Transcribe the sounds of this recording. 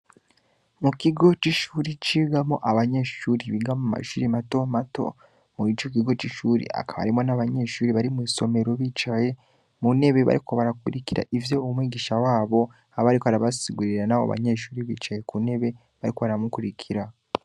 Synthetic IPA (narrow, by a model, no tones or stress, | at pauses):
mukiɡo̞t͡ʃiʃuːɾit͡ʃiɡamoʔaβaɲe̞ʃuːɾiβiɡamuma̰ʃuɾimato̞mato̞̰ | muit͡ʃok̬iɡo̞t͡ʃiʃuːɾḭa̰kaβa̰ɾimo̞naβaɲe̞ʃuːɾiβaɾimiso̞me̞ɾo̞βit͡ʃaje | mune̞βe̞βa̰ɾikoβaɾakuɾikiɾa̰ʔivjo̞umwiːɡiːʃawaːβo̞ | aβaɾikoaɾaβasiɡuɾiɾanaβo̰βa̰ɲe̞ʃuːɾiβit͡ʃaje̞kune̞βe̞ | βaɾikoβaɾamukuɾikʰiɾa